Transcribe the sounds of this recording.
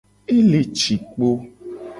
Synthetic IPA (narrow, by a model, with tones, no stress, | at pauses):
e˦le˨t͡ʃi˨k͡po˦